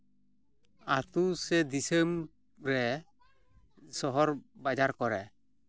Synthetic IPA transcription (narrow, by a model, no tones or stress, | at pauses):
at̪usɛd̪isem | ɾɛ | sɔɦɔɾbad͡ʒaɾkɔɾɛ